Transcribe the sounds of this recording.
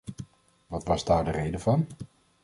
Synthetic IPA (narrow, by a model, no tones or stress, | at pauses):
ʋɑtʋɑzdaːɹdərejdəvɑn